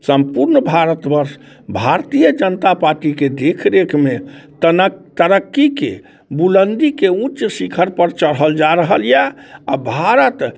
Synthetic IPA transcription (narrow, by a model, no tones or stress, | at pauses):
səmpuɾnbʱaɾət̪bəɾs | bʱaɾt̪ijəd͡ʒənt̪apaɾʈiked̪ekʰɾekʰmet̪t̪əɾəkːikḛ | bulənd̪ikeũt͡ʃsikʰəɾpəɾt͡ʃəɽɦəld͡ʒaɾəɦəljaabʱaɾət̪